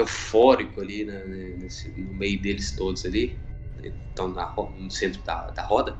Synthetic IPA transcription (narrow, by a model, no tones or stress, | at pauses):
ewfɔɾikʊalinɐn | ns | nʊmejʊd̪elɪst̪od̪ʊzalḭ | t̪ɐ̃w̃nɐhɔnʊsẽnt̪ɾʊd̪ɐ̰d̪ɐhɔd̪ɐ